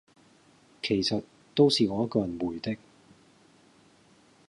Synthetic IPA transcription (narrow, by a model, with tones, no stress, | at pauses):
kʰe˨˩jsɐ˨t | t̪o˥wsiː˨ŋɔː˨˧jɐ˥t̚kɔː˧jɐ˨˩nwuː˨˩jt̪ɪ˥k̚